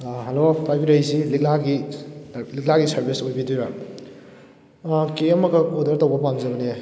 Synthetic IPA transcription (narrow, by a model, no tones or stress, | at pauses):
ɦɐlopajbiɾajsilik̚laɡi | lik̚laɡisɐɾbisojbidujba | keɐmɐɡɐkodɐɾtɐwbɐpamzɐbɐne